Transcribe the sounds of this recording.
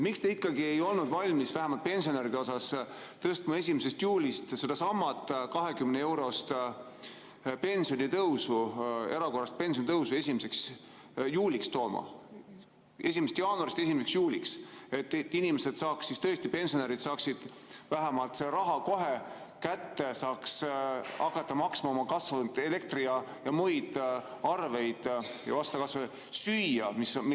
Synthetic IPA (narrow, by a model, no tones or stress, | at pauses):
mikst̪eikˑːɑɡie̞jo̞lnud̪̥vɑlʲmisvæɦæmɑlt̪̚pe̞nsio̞neɾid̪eo̞sɑst̪ɤst̪mɑe̞sʲimese̞st̪juːlʲist̪sed̪ɑsɑmːɑt̪ːˑkɑɦe̞kymneewɾo̞st̪ | pe̞nsijonit̪ɤwsue̞ɾɑko̞rːɑst̪̚pe̞nsionit̪ɤwsue̞simese̞ks | juːlʲikst̪o̞ːmɑ̰ | e̞simest̪jɑːnuɑɾist̪e̞simese̞ksjuːlikse̞t̪ːˑt̪ːinimese̞d̪̥sɑːksist̪ɤ̞est̪ipe̞nsijo̞neɾid̪̥sɑːksid̪̥ | væɦæmɑlt̪se̞ɾɑɦɑko̞ɦekæt̪ːe̞sɑːksɑkːɑt̪ːˑɑmɑksmɑomɑkɑsvɑnt̪ele̞k̚t̪riɑjɑmujd̪̥ɑrve̞jd̪̥jɑ̰vɑst̪ɑkɑsve | syjːɑmism